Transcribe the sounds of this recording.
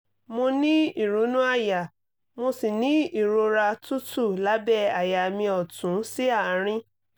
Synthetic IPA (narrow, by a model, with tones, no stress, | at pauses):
mõ˧nĩ˦i˦˨ɾu˨˦nũ˦a˦˨ja˨ | mo˧si˨nĩ˨˦i˦˨ɾo˧ɾa˧tu˦tu˦˨la˨˦bɛ˦˨a˨ja˨mĩ˧ɔ˨tũ˨˦si˦a˦˨˦ɾ̃ĩ˧